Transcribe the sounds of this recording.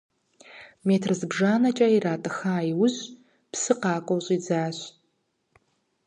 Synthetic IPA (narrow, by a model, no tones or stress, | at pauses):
metʰrɨzɨbʐaːnɐt͡ʃʼɐiɾaːtʼɨxaːiwʊʑ | pʰsɨqɑːkʷʼowɕʼid͡zaːɕʷ